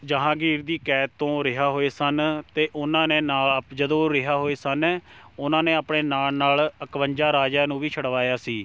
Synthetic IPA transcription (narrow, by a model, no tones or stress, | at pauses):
d͡ʒəɦãːɡiːɾd̪iːkɛːt̪ːõːɾɪɦaːɦoːeːsənt̪eːʔʊnãːneːnaːld͡ʒəd̪õːɾɪɦaːɦoːeːsənːʊnãːneːaːpɳeːnaːlnaːləkʋəɲd͡ʒaːɾaːd͡ʒaːnũːʋiːt͡ʃʰəɽʋaːjaːsiː